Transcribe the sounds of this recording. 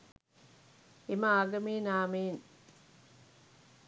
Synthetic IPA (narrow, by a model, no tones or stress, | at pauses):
imaaːɡɐmiːnaːmiːn